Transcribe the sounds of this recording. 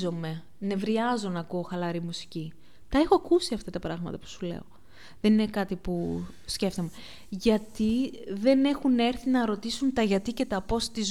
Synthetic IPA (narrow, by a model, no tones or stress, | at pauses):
o̞me̞ | ne̞vɾiɐzonɐkoːxɐlɐɾimusi̥ci | t̪ɐe̞xoɐkusiɐft̪ɐt̪ɐpɾɐɣmɐ̰t̪ɐpu̥sulḛo̞̰ | ðeninekɐt̪ipu | sce̞ft̪o̞me | ʝɐt̪iðe̞ne̞xune̞ɾθinɐɾo̞t̪isunt̪ɐʝɐt̪ice̞t̪ɐpo̞st̪iz